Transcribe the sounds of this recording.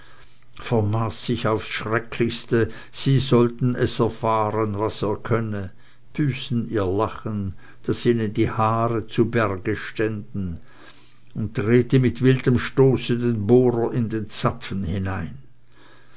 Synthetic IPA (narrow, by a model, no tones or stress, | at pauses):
fɛɐmaːsːɪçaʊfsʃʁ̥ɛkʰlɪçstə | z̥iːzɔltn̩ɛsɛɐfaːʁənvaseːɐkʰœnə | b̥yːsn̩iːɐlaχən | d̥asiːnəndiːhaːʁət͡subɛʁɡəʃtɛndn̩ | ʊnt̚dʁeːtəmɪtv̥ɪldəmʃtoːsədeːnboːʁɐɪndeːnt͡sapfn̩hɪnaɪn